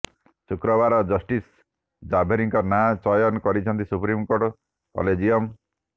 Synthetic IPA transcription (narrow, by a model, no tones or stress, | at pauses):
sukɾɔbaɾɔd͡ʒɔsʈis | d͡ʒabʱeɾiŋkɔɾnat͡ʃɔjɔnkɔɾit͡ʃʰɔnt̪isupɾimkoɾʈ | kɔ̰led͡ʒijɔm